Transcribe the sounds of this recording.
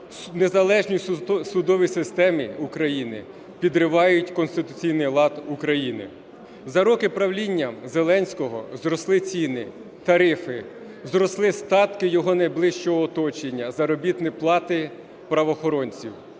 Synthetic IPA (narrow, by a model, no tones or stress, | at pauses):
nezɐlˠɛʒnʲijsʊd̪ɔʋʲijsɪst̪ɛmiukɾɐjinɪ | pʲid̪ɾɪʋɑjʊtʲkɔnst̪ɪt̪ʊt͡sʲijnɪjlˠɑd̪ukɾɐjinɪ̰ | zɐɾɔkɪpɾɐwlʲinʲːɐzelˠɛnʲsʲkɔɦɔ̰zɾɔslˠɪt͡sʲinɪ | t̪ɐɾɪfɪ | zɾɔslˠɪst̪ɑt̪kɪjɔɦɔnɐjblˠɪʃt͡ʃɔɦɔːt̪ɔt͡ʃenʲːɐzɐɾɔbʲit̪nɪplˠɑt̪ɪ | pɾɐʋɔːxɔɾɔnʲt͡sʲiw